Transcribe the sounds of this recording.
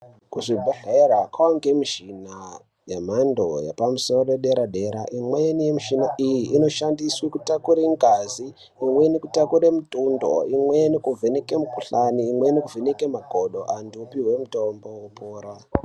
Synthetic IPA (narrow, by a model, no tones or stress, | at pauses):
kuʐibʱeɮeɾakʰawaŋɡemiʒina | jemandojḛpamuso̞roroɗeɾaɗe̞ɾa̰ʔimweenijemiʃinaʔijiʔːno̞ʃandiswikutakuɾeŋɡaziː | mwe̞nikutakuɾemutundo̰imwenikuvʱenekemukuɬaniːmwenikuvʱenekemaɡʱoɗo̞ʔandupiɦwe̞mutombo̞wupoːɾa